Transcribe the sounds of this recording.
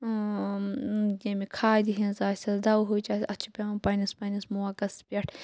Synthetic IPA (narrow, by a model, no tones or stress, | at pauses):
jemikʰaːd̪iɦĩnzaːsʲɐsd̪ɐwɦut͡ʃɐɐt͡ʃʰi̥pʲɐɐpɐnispɐnismuwɐkɐspʲeʈʰ